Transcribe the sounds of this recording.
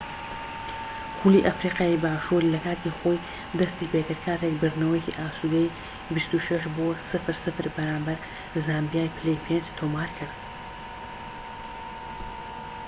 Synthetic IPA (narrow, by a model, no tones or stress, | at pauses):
xuliːʔafɾiːqɑːibaːʃuɾilɐkaːt̪ixoj | d̪ɐst̪iːpeːkɨɾkʰaːɾek̚bɨɾnɐwjeciʔaːsuɡ̪ɐj | bist̪uʃɐʃboːsɨfɨɾsɨfɨɾbɐɾaːmbɐɾ | zaːmbijaːjpʰlejpʰend͡ʒt̪ʰoːmaːɾkʰɨɾd̪